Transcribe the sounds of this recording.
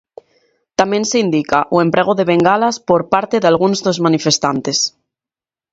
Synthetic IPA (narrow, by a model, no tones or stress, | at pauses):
t̪amẽ̞nseind̪ikaʔue̞mpɾʔeɣ̞oðe̞βeŋɡalaspoɾpaɾt̪eðalɣ̞unzðozmanifest̪ant̪es